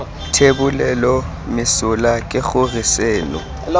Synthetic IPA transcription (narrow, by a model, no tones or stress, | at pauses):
tʰebulɛlɔ | mɪsʊlakʼɪk͡xʊrisɛːlɔ̰